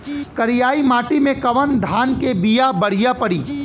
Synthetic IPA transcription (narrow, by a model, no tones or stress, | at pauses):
kɐɾɪjaːimaːʈimẽkɐʋənd̪ʱaːnkebijabɐɽ̤ijapɐɽiː